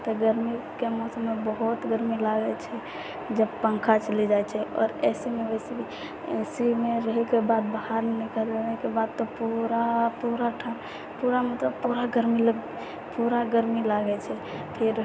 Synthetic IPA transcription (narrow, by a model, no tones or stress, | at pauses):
t̪ɔɡəɾmikemɔsəmːebəɦut̪ɡəɾmilaɡɛt͡ʃʰɛ | d͡ʒəbpə̃ŋkʰat͡ʃəlid͡ʒajt͡ʃʰɛʔɔ̰ɾɛsimebɛsi | ɛsimeɾəɦɛkebad̪̚baɦaɾnikəld͡ʒenekebad̪̚t̪ɔpuɾapuɾaʈʰan | puɾamet̪əpuɾaɡəɾmiləɡ | puɾaɡəɾmilaɡɛt͡ʃʰɛ | pʰeɾ